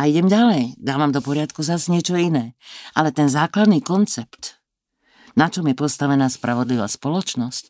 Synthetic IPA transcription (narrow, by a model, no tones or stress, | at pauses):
aiɟɛmɟalɛjd̪aːʋamd̪ɔpɔɾɪat̪kuzazɲɪɛt͡ʃɔinɛːʔalɛt̪ɛnzaːklad̪niːkɔnt͡sɛpt̪ | nat͡ʃɔmjɛpɔst̪aʋɛnaːspɾaʋɔd̪liʋaːspɔlɔt͡ʃnɔsc